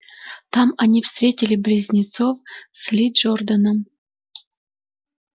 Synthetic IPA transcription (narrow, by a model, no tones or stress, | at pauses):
t̪amɐnʲifst̪ɾʲetʲɪlʲɪblʲizʲnʲɪt̪sofslʲid͡ʒord̪ənəm